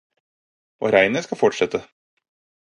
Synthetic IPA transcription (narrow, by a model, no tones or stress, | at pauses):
ʔo̰ːɾæɪnəskɑfɔʈʂɛt̪ːə